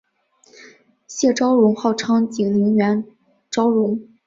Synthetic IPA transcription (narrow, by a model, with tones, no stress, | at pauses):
ɕjɛ˥˩ʈ͡ʂɑ˥ʊɻʊ˧˥ŋxɑ˥˩ʊʈ͡ʂʰɑ˥ŋt͡ɕi˨˩ŋni˧˥ŋɥɛ˧˥n | ʈ͡ʂɑ˥ʊɻʊ˧˥ŋ